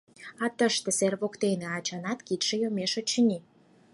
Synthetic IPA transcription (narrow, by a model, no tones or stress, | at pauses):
ɑt̪əʃt̪ĕserβokt̪eneɑt͡ɕɑnɑt̪kit̪ʃejomeʃot͡ɕəni